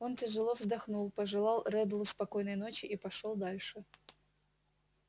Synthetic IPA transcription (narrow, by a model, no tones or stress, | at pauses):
o̞ntʲɪʐɨlˠo̞vzd̪ɐxnulˠpəʐɨlˠɑlˠrɛd̪lˠʊspɐko̞jnəjno̞t͡ɕɪʔipɐʂolˠd̪alʲʂɨ